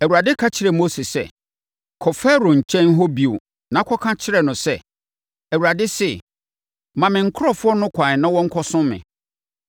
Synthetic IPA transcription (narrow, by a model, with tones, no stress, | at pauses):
æ˨wu˨a˨dɪ˦kʰa˦t͡ɕʰɪ˦ɾɛ˨mo˦se˨sɛ̰˦˨ | kʰɔ˨fɛ˦ɾo˨ɲ̩˨t͡ɕʰɛ̃˦n˦ɦɔ˦bi˨o̰˨ | nã˨˦kʰɔ˦kʰã˦t͡ɕʰɪ˦ɾɛ˨nʊ̃˨sɛ˦˨ | æ˨wu˨ɾa˨dɪ˦sɪ˦˨ | mã˨mɪ̃˨ŋ̩˦kʰʊ˦ɾɔ˨fʊ˦ɔ˦nʊ̃˦kʷʰã˨ɲ˨nã˦wɔ̃˦ŋ̩˦kʰɔ˦sʊ̃˦mːɪ̰̃˨